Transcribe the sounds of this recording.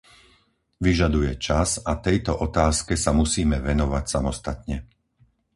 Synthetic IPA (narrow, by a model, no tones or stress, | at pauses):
ʋiʒad̪ujɛt͡ʃazat̪ɛjt̪ɔʔɔt̪aːskɛsamusiːmɛʋɛnɔʋacsamɔst̪at̪ɲɛ